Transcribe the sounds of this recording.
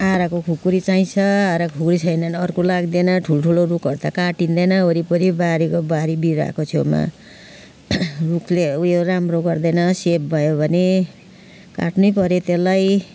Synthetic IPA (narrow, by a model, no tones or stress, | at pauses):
aɾakokʰukuɾit͡saĩt͡sʰʌaɾakʰukɾit͡sʰʌjnʌnʌrkolaɡd̪enʌʈʰulʈʰulorukʌrt̪akaʈind̪ʌnʌoɾipʌɾibaɾikobaɾibiɾa̰kot͡sʰḛma̰ | rukʰleujoramroɡʌrd̪ʌnʌsep̚bʱʌjobʱʌne | ka̰ʈnujpʌɾjet̪elaj